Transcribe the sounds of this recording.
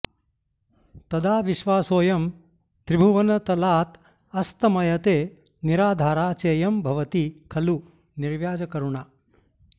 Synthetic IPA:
t̪ɐd̪aːʋiʃʋaːsoːjɐm | t̪ɾibʱuʋɐnɐt̪ɐlaːt̪ | ɐst̪ɐmɐjɐt̪eː | niɾaːd̪ʱaːɾaːt͡ʃeːjɐmbʱɐʋɐt̪ikʰɐlu | niɾʋjaːd͡ʒɐkɐɾuɳaː

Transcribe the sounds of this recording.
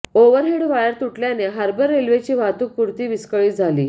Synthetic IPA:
oʋəɾɦeɽʋajəɾt̪uʈljaneɦaɾbəɾːelʋet͡ɕiːʋ̤at̪uːk̚puɾt̪iːʋiskəɭiːd͡zʱalḭː

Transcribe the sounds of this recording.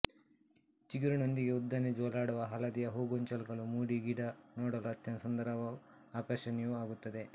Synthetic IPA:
t͡ʃiɡiɾunond̪iɡe̞ud̪ːɐned͡ʒɔːlaːɽuʋɐɦɐlɐd̪ijɐɦoːɡoɲt͡ʃɐlkɐlumuːɽiɡiɽɐnoːɽɐlɐt̪jɐnsɐnd̪ɐɾɐʋɐ | aːkɐɾʃɐnɛjuaːɡut̪ːɐd̪e̞

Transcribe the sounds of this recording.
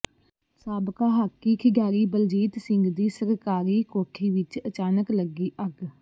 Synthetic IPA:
saːbkaːɦaːkːiːkʰɪɡaːɾiːbəld͡ʒiːt̪sɪ̃ŋɡd̪iːsəɾkaːɾiːkoːʈʰiːʋɪt͡ʃət͡ʃaːnəkləɡiːʔəɡ

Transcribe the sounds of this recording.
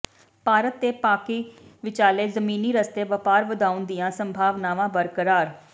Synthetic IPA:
paːɾət̪ːeːpaːkiːʋɪt͡ʃaːleːzəmiːniːɾəst̪eːʋəpaːɾʋəd̪aːʊnd̪ɪjãːsəmbʱaːʋnaːʋãːbəɾkəɾaːɾ

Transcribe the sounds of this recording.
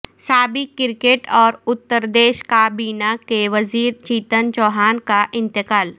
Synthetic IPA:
saːbɪkːɪɾkeːʈɔːɾʊt̪ːəɾd̪eːʃkaːbiːnakeʋɐziːɾt͡ʃiːt̪ənt͡ʃɔːɦaːnkaʔɪ̃nt̪ɪkaːl

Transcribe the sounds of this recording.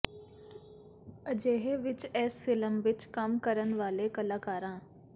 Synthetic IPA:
əd͡ʒeːɦeʋɪt͡ʃɛːsfɪləmʋɪt͡ʃkəmkəɾənʋaːlekəlaːkaːɾãː

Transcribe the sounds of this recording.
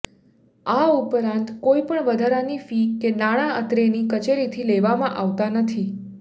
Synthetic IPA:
aupɾãnt̪koipəɳʋəd̪ʱaɾanifiːenaɽ̃aət̪ɾenikət͡ʃeɾit̪ʰileʋamãʔaʋt̪anət̪ʰi

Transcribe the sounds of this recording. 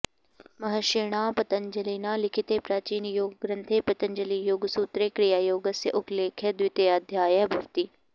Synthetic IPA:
mɐɦəʃeːɽ̃aːpɐt̪ənd͡ʒəliːnaːlɪkʰɪt̪epɾaːt͡ʃiːnjoːɡɡɾɐ̃nt̪ʰeːpɐt̪ənd͡ʒəlijoːɡsuːt̪ɾeːkɽijaːjoːɡəsjəʔʊkleːkʰed̪ʋɪt̪ead̪ʱjaːjəbʱɐʋt̪iː

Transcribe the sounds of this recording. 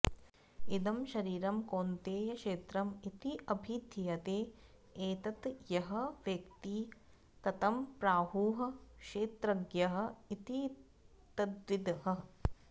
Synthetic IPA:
id̪ɐmʃɐɾiːɾɐmkoːnt̪eːjɐʃeːt̪ɾɐmit̪iɐbʱid̪ʱjjɐt̪eː | eːt̪ɐt̪jɐɦɐ̆ʋjɐkt̪i | t̪ɐt̪ɐmpɾaːɦuːɦɐ̆kʃeːt̪ɾɐɡjɐɦɐ̆it̪i | t̪ɐd̪ʋid̪ɐɦɐ̆

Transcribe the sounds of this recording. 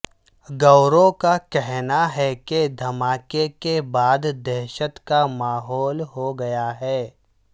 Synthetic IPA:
ɡɐʊɾõkakɛɦnaɦɛked̪ʱɐmaːkekebaːd̪d̪ɛɦʃət̪kamaːɦɔːlɦoɡɐjaɦɛː

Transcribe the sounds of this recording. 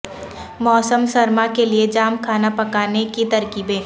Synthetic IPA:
mɔːsəmsɐɾmakelied͡ʒaːmkʰaːnapɐkaːnekit̪ɐɾkiːbẽː

